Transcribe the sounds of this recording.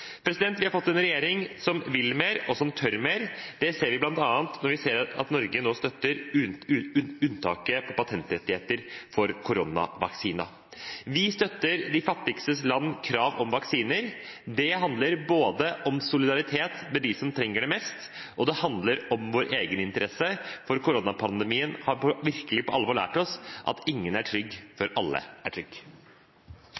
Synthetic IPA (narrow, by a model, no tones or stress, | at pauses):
pʰɾɛsɪd̪ɛnt̪ʋɪhɑɾfɔt̪ːɛnɾɛjeːɾɪŋsɔmʋɪlːmeːɾɔsɔmt̪ʰœɾmeːɾd̪̥ɛseːɾʋɪblɑnt̪ɑːənt̪nɔɾʋɪseːɾɑ̰t̪nɔɾɡənoːst̪œt̪ːəɾ | ʉnʉnt̪ʰɑːkəpʰɔpɑt̪ʰɛnt̪ɾɛt̪ːɪheːt̪əɾfɔɾkʰʊɾʊnɑ̰ʋɑ̰ksiːnɑ̰ | ʋɪst̪œt̪ːəɾd̪ɪfɑt̪ːɪɡst̪əslɑnːkʰɾɑːʋɔmʋɑksiːnəɾd̪ɛhɑnd̪ləɾboːd̪əʔɔmsʊlɪd̪ɑɾɪt̪ʰeːt̪mɛd̪ɪsɔmt̪ʰɾɛŋːəɖɛmɛst̪ | ʔɔd̪ɛhɑnd̪ləɾɔmʋoːɾʔeːɡənɪnt̪əɾɛsːəfɔɾkʊɾʊnɑpʰɑnd̪əmiːənhɑɾpʰɔʋɪɾkəlɪpɔʔɑlʋɔːɭæ̰ːʈɔsʔɑ̰t̪ɪŋːənæʈʰɾʏɡːfɔɾɑlːə̰æʈʰɾʏɡ